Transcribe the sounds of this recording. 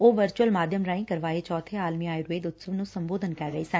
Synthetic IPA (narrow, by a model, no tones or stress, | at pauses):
oːʋəɾt͡ʃuəlmaːd̪ʱjəmɾaːĩːkəɾʋaːeːt͡ʃɔːt̪ʰeːaːlmiaːeɾʊeːd̪ʊt̪səbnũːsəmboːd̪ənkɛːɾɾəiːsən